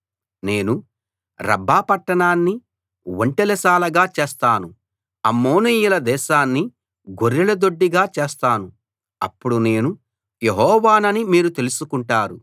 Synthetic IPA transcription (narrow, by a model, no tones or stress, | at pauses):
ne̞ːnu | ɾɐ̰bʱːaːpɐʈːɐɳaːnːi | woɳʈelɛsaːlɐɡaːt͡ʃeːst̪aːnu | ɐmːoːnijulɐd̪ɛːʃaːnːi | ɡoɾːilɐd̪o̞ɖːiɡaːt͡ʃeːst̪aːnu | ɐ̰pːuɽune̞ːnu | jeɦɔːʋaːnɐnimiːɾut̪e̞lusukuɳʈaːɾu